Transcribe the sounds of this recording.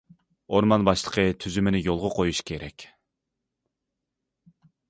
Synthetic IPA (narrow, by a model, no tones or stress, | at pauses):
oɾmɑnbɑʃlˠəqʰət̪ʰyzymɪnɪjolˠʁəqʰojuʃkʲʰeɾɛkʲ